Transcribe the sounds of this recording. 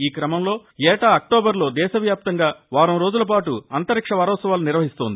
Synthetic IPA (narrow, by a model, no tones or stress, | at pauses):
iːkɾɐmɐmlo̞ːɛːʈaɐk̚ʈoːbɐɾlo̞ːd̪ɛːʃɐʋjaːp̚t̪ɐŋɡaːʋaːɾɐmɾo̞ːd͡ʒulɐp̬aːʈuɐnt̪ɐɾikʂɐʋɐːɾɔːsɐʋaːluniɾʋɐɦist̪oːnd̪i